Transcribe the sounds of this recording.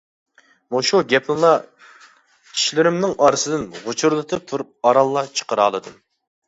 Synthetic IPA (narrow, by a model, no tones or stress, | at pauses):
muʃuɡʲɛpʰnɨlˠɑ | kʲʰi̥ʃlɪɾɪmnɪŋɑɾɨsɨd̪ɨnʁʊt͡ʃʰuɾlˠɨt̪ʰɨt̪ʰuɾup̚ɑɾɑlˠːɑt͡ʃʰə̥qəɾɑːlˠɨd̪ɨm